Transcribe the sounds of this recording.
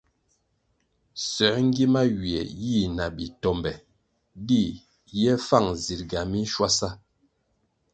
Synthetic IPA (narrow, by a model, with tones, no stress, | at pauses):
sɛ˨˦ŋ˦ɡi˦ma˦wi˨ɛ̰˨ji˦˨na˨bi˨tɔ˨mbɛ˨ | di˦˨ | jɛ˦fa˦˨ŋzi˨ɾɡa˨mi˦ʃwa˦sa˦